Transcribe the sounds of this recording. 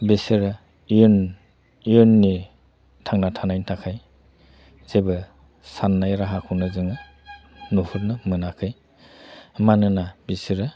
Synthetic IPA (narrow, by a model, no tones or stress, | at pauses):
besiɾɯ | n | ijunːi | tʰaŋnatʰanajntʰakʰaj | z̥ebɯ | sanːajɾaɦakʰunɯzɯŋɯ | nuhuɾnɯmɯnakʰɯj | manɯnabisiɾɯ